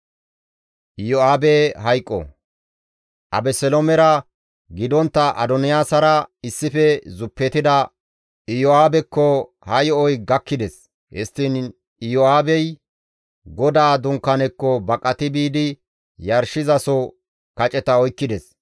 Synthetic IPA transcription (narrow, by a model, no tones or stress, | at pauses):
ʔɪjɔaːbɛɦɐjkʼːɔ̰ | ʔɐ̰bɛsɛlomɛɾɐ | ɡɪd̪ɔnt̪ːɐʔɐ̰d̪ɔnɪjaːsɐɾɐɪsːɪfɛzʊpːɛt̪ɪd̪ɐ | ɪjɔaːbɛkːɔ | hɐjɔɔjɡɐkːɪd̪ɛs | hɛst̪ːɪn | ɪjɔaːbɛj | ɡɔd̪aːd̪ʊŋkːɐnɛkːɔbɐkʼːɐt̪ɪbiːd̪ɪ | jɐɾʃɪzɐsɔ | kɐt͡ʃʼɛt̪ɐɔjkːɪd̪ɛs